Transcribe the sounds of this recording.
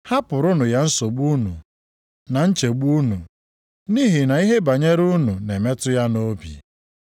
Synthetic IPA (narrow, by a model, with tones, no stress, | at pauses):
ha˦pʊ˨ɾʊ˦nʊ˨ja˦n̩˦so˨ɡ͡bu˦nṵ˨ | na˨n̩˦t͡ʃe˨ɡ͡bu˦nu˨ | ni˦ɦi˨na˨i˦ɦe˦ba˨ɲe˦ɾu˦nu˨ne˨me˦tʊ˦ja˦no˦bḭ˨